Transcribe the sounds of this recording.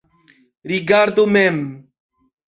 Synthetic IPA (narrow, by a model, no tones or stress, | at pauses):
ɾiɡaɾd̪omɛm